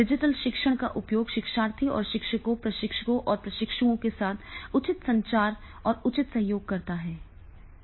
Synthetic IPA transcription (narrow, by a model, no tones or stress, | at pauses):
ɖɪd͡ʒɪʈəlʃɪkʃəɽ̃ka̰ʔʊpjoːɡʃɪkʃaːɾt̪ʰiɔ̰ːɾʃɪkʃəkõpɾɐʃɪkʃəkõʔɔːɾpɾɐʃɪkʃuõkesaːt̪ʰʊt͡ʃɪt̪sɐ̃ɲt͡ʃaːɾ | ɔːɾʊt͡ʃɪt̪sɐɦjoːɡ̚kɐɾt̪aɦɛː